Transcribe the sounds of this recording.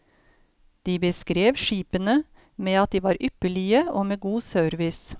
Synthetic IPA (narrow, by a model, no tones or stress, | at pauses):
d̪̥iːbəskɾeːʋʃiːpənə | meːɑt̪̚d̪iːʋɑːɾʔʏpəɭɪəʔoːmeːɡuːsøːɾʋɪs